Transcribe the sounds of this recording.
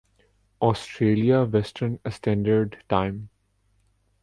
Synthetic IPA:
ɔːsʈɾeːliaʋɛsʈʰəɾnsʈæ̃ːɳɖəɾɖʈãɪ̃m

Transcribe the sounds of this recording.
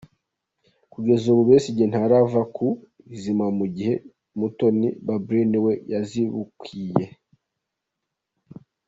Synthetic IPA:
kuɡe̞zuβuβesiɟen̥haɾavaku | izimamuɟihe̞ | muto̞nḭbabɾiniwe̞jaziβukwije̞

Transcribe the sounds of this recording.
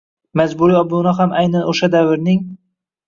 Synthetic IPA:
mazbʊɾiɒbʊnɒɦamʔajnanʔoʃad̪avɪɾnɪŋ

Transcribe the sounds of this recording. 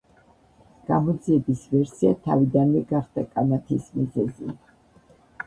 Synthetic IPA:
ɡ̥amɔd̪ziɛbisvɛɾsia̰t̪ʰa̰vid̪anvɛɡaχd̪̥akʼanat̪ʰismizɛzḭ

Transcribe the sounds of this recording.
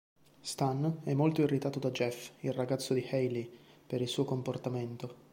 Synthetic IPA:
st̪anɛmːolt̪oirːit̪aːt̪od̪ad͡ʒɛfilraɡat̪sːod̪ihɛjlipeɾilsuːokomport̪ament̪o

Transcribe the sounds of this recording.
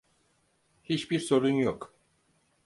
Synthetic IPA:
hit͡ʃbiɾso̞ɾunjok

